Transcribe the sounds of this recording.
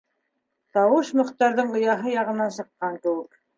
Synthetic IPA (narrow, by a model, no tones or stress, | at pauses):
t̪ɑwɤʃmɵ̆χt̪ɑɾðɤɴɢŏjɑɦɤjɑʁɤ̆nːɑnsɤ̆qːɑŋkɘ̆wɘk